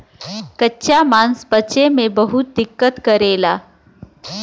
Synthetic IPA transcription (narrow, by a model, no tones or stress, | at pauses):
kətːɕʰamanspət͡ɕemebəɦut̪̚d̪ikːət̪kəɾela